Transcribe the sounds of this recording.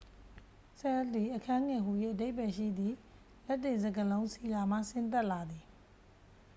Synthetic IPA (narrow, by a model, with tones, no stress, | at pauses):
sɛ˦˨t̪i˨ʔəkʰã˦ŋɛ˨ɦu˨je˦˨ʔəde˦ɪpɛ˨ʃḭ˦˨d̪ði˨ | lɛ˦tːɪ̃˨nzə˨ɡəlõ˦ʊ̃si˦˨la˨m̥a̰˦˨sɪ̃˦nt̪ɛ˦ʔla˨d̪i˨